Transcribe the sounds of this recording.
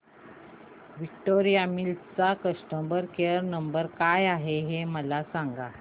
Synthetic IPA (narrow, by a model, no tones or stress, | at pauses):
ʋik̚ʈoɾijamilt̪t͡sakəsʈəmbəɾkeəɾnəmbəɾkajaɦeɦeməlasaŋɡa